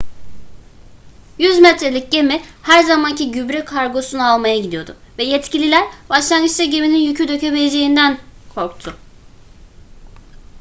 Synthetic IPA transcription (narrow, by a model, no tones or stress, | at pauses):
jyzmɛt̪ɾelʲic̚ɟe̞mihæɾzamancʰiɟybɾɛkʰaɾɡo̞sunualˠmajaɟid̪ijo̞d̪ʊvɛjɛt̪cʰilʲilʲæɾbaʃlˠanɡɯʃt̪aɟe̞mininjycʰyd̪ø̞cʰøbeled͡ʒe̞jind̪ænkʰo̞ɾkt̪ʰʊ